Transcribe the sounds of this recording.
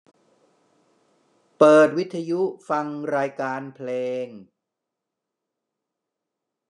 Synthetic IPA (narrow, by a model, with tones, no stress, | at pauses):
pɤː˨˩t̪̚wi˦˥t̪ʰːa˧ju˦˥fa˧ŋɾaː˧jkaː˧npʰleː˧ŋ